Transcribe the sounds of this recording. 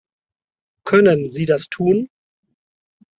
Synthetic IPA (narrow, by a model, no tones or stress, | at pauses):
kʰœnənziːdastʰuːn